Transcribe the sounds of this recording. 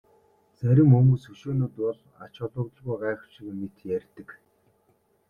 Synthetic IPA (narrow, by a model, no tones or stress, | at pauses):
t͡sæɾʲɪ̆mɵmuːsɵʃoːnʊːt̪ʊɮ | a̰t͡ɕʊɮʊ̆kt̪ə̆ɮɣujɢaːχ̆t͡ɕĭɣɘmet̪jærʲt̪ɘ̆k